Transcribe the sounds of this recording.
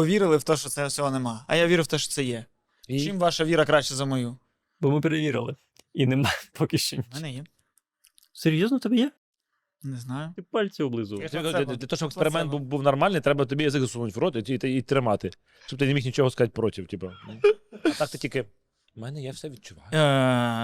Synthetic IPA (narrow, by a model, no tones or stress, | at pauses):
pɔʋʲiɾɪlˠɪwt̪ɔʃt͡ʃɔt̪sɛwsʲɔɦɔnemɑɐ̰jaʋʲiɾʊwt̪ɛʃt͡ʃɔ̥t̪sɛjɛ | t͡ʃimʋɑʃɐʋʲiɾɐkɾɑʃt͡ʃɛzɐmɔju | bɔmɪpeɾeʋʲiɾɪ̰lˠɪ | inemɑpɔkʲɪʃenʲmɛnɛjɛ | seɾʲjɔznɔt̪ɐbɛjɛ | neznɑjʊt̪ɪpɑlʲt͡sʲiwblˠɪzʊt̪bik̪ʲɐd̪d̪lʲɐt̪ɔʃt͡ʃɔbekspeɾɪmɛnt̪bubuwnɐrmɑlʲnɪjt̪ɾɛbɐt̪ɔbʲijɐzɪkzɐsunʊtʲʋɾɔt̪ɪit̪ɪit̪ːɾɪmɑt̪ɪ | ʃt͡ʃɔb̚t̪ɪnemʲixnʲit͡ʃɔɦɔskɐzat̚ʲpɾɔtʲiwtʲipɐmɛnt̪ɑk̚t̪ɪtʲilʲkɪ | mɛnɛjawsɛʋʲid̪̚t͡ʃʊʋɑjʊ